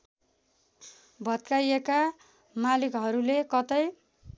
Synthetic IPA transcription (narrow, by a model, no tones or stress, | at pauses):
bʱʌt̪̚kajeka | malikɦʌɾulekʌt̪ʌj